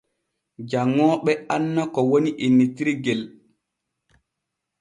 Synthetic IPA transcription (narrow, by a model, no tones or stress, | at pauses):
d͡ʒaŋːɔːɓɛanːakɔwoniʔinːitiɾiɡel